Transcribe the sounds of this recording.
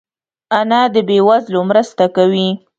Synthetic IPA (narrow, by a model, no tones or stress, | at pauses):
anad̪əbewazlomɾəst̪akawi